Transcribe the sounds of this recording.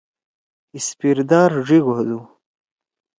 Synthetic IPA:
ispiɾd̪ɑːɾʐiɣod̪u

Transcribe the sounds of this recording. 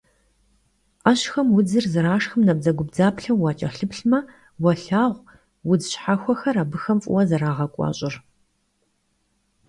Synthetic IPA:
ʔɐɕxɐmwʊd͡zɨrzɨɾaːʂxɐmnɐb̚d͡zɐɡʷʊbd͡zaːpɬɐwaːt͡ʃʼɐɬɨpɬmɐ | wɐɬaːʁʷ | wʊd͡zɨɕħaxʷɔxɐraːbɨxɐmfʼʊ̰wɐzɐɾaːʁɐkʷʼɑ̰ːɕʼɪr

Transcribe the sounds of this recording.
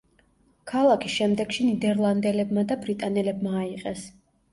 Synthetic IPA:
kʰalˠakʰisʃɛmd̪ɛɡ̥ʃinid̪ɛɾlˠand̪ɛlɛbmad̪abɾit̪ʼanɛlɛbmaːiqʼɛs

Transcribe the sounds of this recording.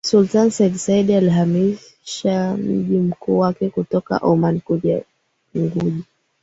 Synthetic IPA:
sultansaidisaiɗialiɦami | ʃam̩ʄim̩kṵːwakɛkutɔka̰ʔɔmankuʄa̰ | ŋɡuʄi

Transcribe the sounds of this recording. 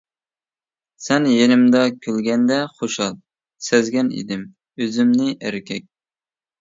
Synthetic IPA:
sɛnjenɪmd̪ɑkʲʰølɡʲɛnd̪ɛχoʃɑlˠ | sɛzɡʲɛnḭd̪ɪm | øzɪmnɪʔæɾkʲʰɛk̚ʲ

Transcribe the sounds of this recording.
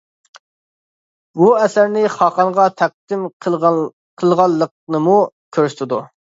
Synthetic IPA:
buɛsæɾnɪχɑχɑŋʁɑt̪ʰæq̚d̪̥ɪmʰ | qʰəlˠʁɑlˠːəq̚nɨmu | kʲʰøɾst̪ʰɪd̪u

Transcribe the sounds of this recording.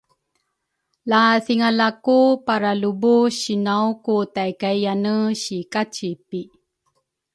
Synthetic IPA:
laθiŋalakupaɾalubuɕinawkutajkajanəɕikat͡ɕipi

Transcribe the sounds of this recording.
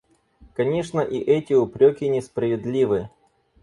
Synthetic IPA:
kɐnʲeʂnəʔiʔɛtʲɪʊpɾʲokʲɪnʲɪspɾəvʲɪd̪lʲivɨ

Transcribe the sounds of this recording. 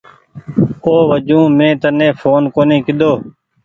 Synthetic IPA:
oːʋəd͡ʒũːmẽːt̪ənẽːfʰoːnkoːneːkɪd̪oː

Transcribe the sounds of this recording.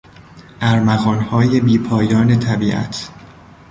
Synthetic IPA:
ʔæɾmæɣɒːnhɒːjebiːpʰɒːjɒːne̞t̪ʰæbiːʔæ̰t̪ʰ

